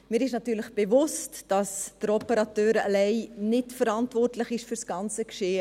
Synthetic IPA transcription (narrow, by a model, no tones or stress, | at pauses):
mɪːɾɪʃnɑtyːləχb̥evʊstd̥ɑsd̥əɾɔpəɾɑtøːɾa̰lɛɪnɪtfəɾɑntvɔrtləχɪʃfyrsɡ̥ɑnt͡səkʃeːə